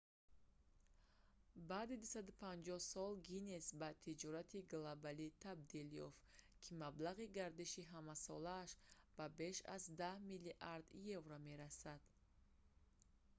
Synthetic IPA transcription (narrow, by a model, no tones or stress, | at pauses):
baːd̪id̪usad̪upʰand͡ʒɔhsɔlɡinesbat̪ʰid͡ʒɔɾat̪ʰiɡlobalit̪ʰabd̪iljɔ̰ft̪kʰimablaʁiɡaɾd̪iʃiɦamasɔlaːʃb̥abe̞ʃa̰zd̪ahmilːiʔaɾd̪jevɾame̞ɾasad̪̥